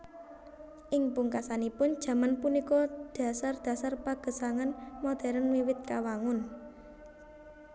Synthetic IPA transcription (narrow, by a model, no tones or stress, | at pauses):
ʔɪŋpuŋkasanipʊnd̥ʒ̥a̤manpunikɔd̪̥a̤sard̪̥ä̤sarpaɡ̥ə̤saŋanmɔd̪̥ɛ̤ɾənwiwɪt̪̚kawaŋʊn